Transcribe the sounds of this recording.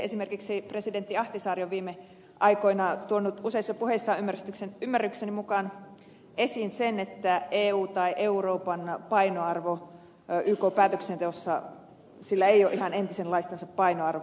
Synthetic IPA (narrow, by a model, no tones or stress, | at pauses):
esimerkiksipresident̪ːiɑht̪isɑːrioʋʋiːme | ʔɑikoinɑt̪uonːut̪useisːɑpuheisːɑːymːæryst̪yksenymːærːyksenimukɑn | ʔesinsenet̪ːæeːuːt̪ɑiʔeuroːpɑnpɑinoɑrʋo | yːkoːpæːt̪øksent̪eosːɑ | silːæeijoːʔihɑnent̪isenlɑist̪ɑnsɑppɑinoɑrʋo